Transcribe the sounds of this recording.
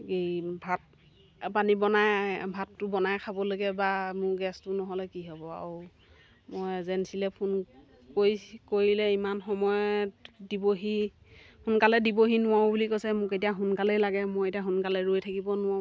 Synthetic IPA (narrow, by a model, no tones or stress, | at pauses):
ejbʱat̚ | panibɔnajbʱatːʊbɔnajkʰabɔloɡɛbamʊɹɡɛstʊnɔɦɔlɛkiɦɔbɔa̰ɹʊ | mɔjzɛnsilɛpʰun | kojkoɹilɛimanxɔmɔjɔdiboɦi | hunkalɛdiboɦinʊwaw̃bulikojsɛmʊketijaɦʊnkalɛjlaɡɛmojetiaɦunkalɛɹojtʰakibɔnʊwã